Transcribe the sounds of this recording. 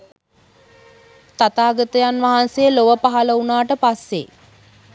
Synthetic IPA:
t̪at̪aːɡət̪əjanʋaɦansejəloʋəpaɦaləunaːʈəpasːḛ

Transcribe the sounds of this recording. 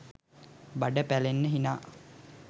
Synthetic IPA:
baɖəpælenːəɦinaː

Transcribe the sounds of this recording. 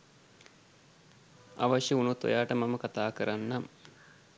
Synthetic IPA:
a̰ʋaʃjeunut̪o̰jaːʈəmaməkat̪aːkəɾanːam

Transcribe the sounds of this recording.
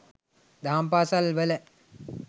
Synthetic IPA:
d̪aːmpaːsalʋəlɛ

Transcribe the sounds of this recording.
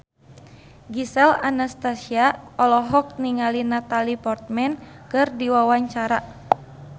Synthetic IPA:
ɡisɛlanast̪asiaɔlɔɦɔk̚niŋalinat̪alipɔrt̪̚mɛnkɨrdiwawaɲt͡ʃaɾa

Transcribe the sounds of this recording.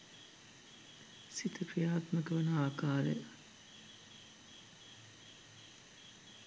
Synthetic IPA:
sit̪ʰəprijaːt̪məkəʋɐnɐaːkaːɾə̰jɐ

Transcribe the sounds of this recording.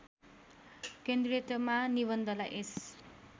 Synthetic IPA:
kend̪ret̪ʌmaniβʌnd̪ʌlaʔes

